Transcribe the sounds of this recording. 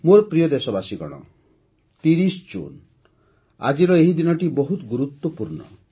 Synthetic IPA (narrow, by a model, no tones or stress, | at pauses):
moɾpɾijɔd̪esɔbasiɡɔɽ̃ɔ̰ | t̪iɾisd͡ʒṵn | a̰d͡ʒiɾɔeɦid̪inɔʈibɔɦut̪ɡuɾut̪wɔpuɾnɔ̰